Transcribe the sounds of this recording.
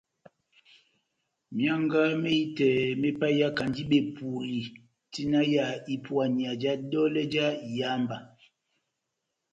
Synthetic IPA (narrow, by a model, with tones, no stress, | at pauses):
mja˦ŋɡa˦me˦i˦tɛ˨me˦pa˦ja˦ka˨ndi˦ɓe˨pu˨li˨ | ti˦na˦ja˨i˦pwa˨ɲi˨a˨d͡ʒa˦dɔ˦lɛ˦d͡ʒa˦˨ja˦mba˨